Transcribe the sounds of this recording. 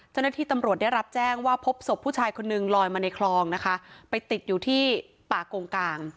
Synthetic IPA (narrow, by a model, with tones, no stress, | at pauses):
t͡ɕa˥˩wnaː˥˩iː˥˩t̪a˧mɾu˨˩t̪̚da˥˩jɾa˦˥p̚t͡ɕɛː˥˩ŋwaː˥˩pʰo˦˥p̚so˨˩p̚ʰːuː˥˩t͡ɕʰaː˧jkʰo˧nːɯ˨˩ŋlɔː˧jmaː˧na˧jkʰlɔː˧ŋna˦˥kʰa˦˥pa˧jt̪i˨˩t̪̚juː˨˩t̪ʰiː˥˩ | paː˨˩koː˧ŋkaː˧ŋ